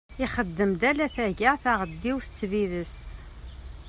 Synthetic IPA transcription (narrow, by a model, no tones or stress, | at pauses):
ɪχəd̪ːəmd̪ælæθæʝaʁθaʁəd̪ːiwθə̥t͡sːviðəst̪